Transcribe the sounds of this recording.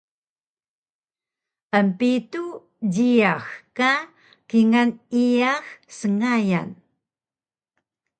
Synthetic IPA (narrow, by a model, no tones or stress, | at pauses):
pampitu | d͡ʑiaxka | kiŋaniaxsəŋaja̰n